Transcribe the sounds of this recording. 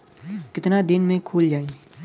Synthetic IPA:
kɪt̪nad̪ɪnmẽkʰuːld͡ʒaːe

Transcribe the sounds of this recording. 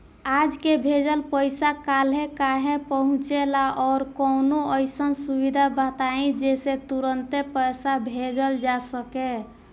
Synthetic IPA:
ad͡ʒkebʱed͡ʒəlpəjsakalɦẽkaɦẽpəɦũt͡ʃelaʔɔɾkɔnoəjsənsubid̪ʱabət̪aẽd͡ʒeset̪uɾənt̪epəjsabʱed͡ʒəld͡ʒasəke

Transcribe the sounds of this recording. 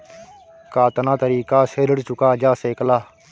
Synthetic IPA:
kaːt̪ənãːt̪əɾiːkaːseːɾəɽt͡ʃʊkaːd͡ʒaːseːklaː

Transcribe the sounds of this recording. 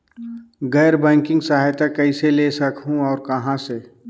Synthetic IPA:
ɡɛːɾbɛ̃ːŋkɪ̃ŋɡsaːɦɪt̪akɛiseleːsɐkɦũɔːɾkɐɦãse

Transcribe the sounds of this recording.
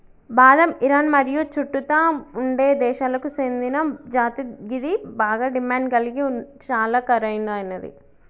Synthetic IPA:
baːd̪ɐmiɾaːnmɐɾijut͡ʃuʈːut̪aːuɳɖe̞ːd̪ɛːʃaːlɐkusend̪inɐd͡ʒaːt̪iɡid̪ibaːɡaːɖimaːɳɖɡɐliɡit͡ʃaːlaːkɐɾɐjnɐnːɐd̪ḭ

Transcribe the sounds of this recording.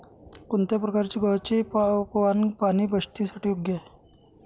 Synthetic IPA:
kunt̪epɾəkaɾt͡ɕiɡʱɔɾt͡ɕipʋanpaniːbəʂt̪isaʈʰiuɡje

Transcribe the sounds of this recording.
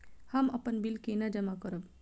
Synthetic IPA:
hɐmɐpənbilkenɐd͡ʒəmakɔɾəb

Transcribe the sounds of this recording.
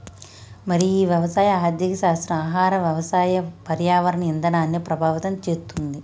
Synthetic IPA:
mɐɾiiːʋjɐʋɐsaːjɐaːd̪jɐkɐʃaːst̪ɾɐmaːɦaːɾɐʋjɐʋɐsaːjɐpɐɾjaːʋɐɾɐɳɐind̪ɐnaːnjɐpɾɐbʱaːʋɐt̪ɐmt͡ʃeːst̪und̪i

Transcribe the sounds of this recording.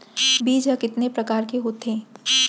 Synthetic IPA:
biːd͡ʒɐkɪt̪nepɾɐkaːɾkeɦot̪ẽː

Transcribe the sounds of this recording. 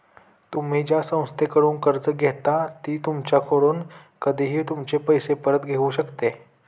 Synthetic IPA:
t̪um̤iːd͡ʑjasə̃w̃st̪ʰekəɽuːnkəɾd͡zəɡʱet̪at̪iːt̪umt͡ɕjakʰoɽuːn | kəd̪ʱiɦiːt̪umt͡ɕepəjsepəɾət̪ɡʱeuɕəkt̪e

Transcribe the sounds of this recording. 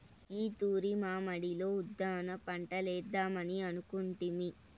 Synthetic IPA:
iːt̪uːɾimaːmɐɽilo̞ːud̪ːaːnɐpɐɳʈɐlɛːd̪ːaːmɐniɐnukuɳʈimi

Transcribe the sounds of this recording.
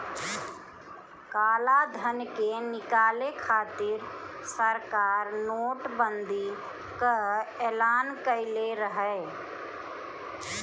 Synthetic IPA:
kaːlad̪ʱənkenɪkaːlekʰaːt̪ɪɾsəɾkaːɾnoːʈbənd̪i | kəeːlaːnkəɪleɾəɦə

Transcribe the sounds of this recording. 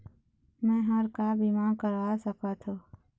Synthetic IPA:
mɛ̃ːɦəɾkaːbimãːkəɾaːsəkaːt̪ʰoː

